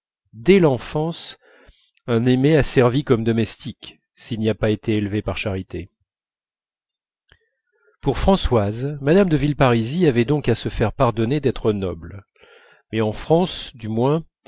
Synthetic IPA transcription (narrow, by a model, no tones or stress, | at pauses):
d̪ɛlɑ̃fɑ̃s | ɛ̃nemeasɛʁvikɔmd̪ɔmɛst̪ʰik | silniapaet̪ʰeːlvepaʁʃaʁit̪e | puʁfχɑ̃swazmad̪amd̪əvilpaʁiziavɛd̪ɔ̃kasəfɛʁpaʁd̪ɔned̪ɛt̪χənɔbl | mɛɑ̃fχɑ̃sd̪ymwɛ̃